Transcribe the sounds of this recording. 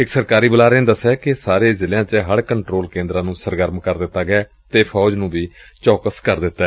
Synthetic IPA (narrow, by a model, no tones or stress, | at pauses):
ɪksəɾkaːɾiːbəlaːɾɪ̃nd̪əsɛːkɪsaːɾeːzɪljãːt͡ʃəɦəɽkəɳʈɾoːlkẽːnd̪ɾãːnũːsəɾɡəɾmkəɾd̪ɪt̪ːaːɡɪɛː | t̪eːpʰɔːd͡ʒnũːbiːt͡ʃɔːkəskəɾd̪ɪt̪ːɛː